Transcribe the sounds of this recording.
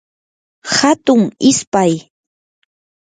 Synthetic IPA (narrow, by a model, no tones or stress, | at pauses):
hat̪ʊŋɪspaj